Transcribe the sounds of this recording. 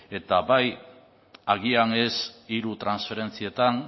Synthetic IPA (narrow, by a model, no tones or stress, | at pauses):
e̞t̪abaj | aɣiane̞siɾut̪ɾansfe̞ɾe̞nt͡sie̞t̪an